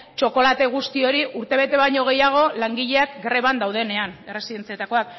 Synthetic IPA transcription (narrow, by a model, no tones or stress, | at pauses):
t͡ʃo̞ko̞lat̪e̞ɣ̞ust̪io̞ɾiuɾt̪e̞βe̞t̪e̞βajɲo̞ɣ̞e̞jaɣ̞o̞laŋɡiʎe̞akɡɾe̞β̞and̪awðe̞ne̞ane̞re̞siðe̞nt͡sie̞t̪ako̞βak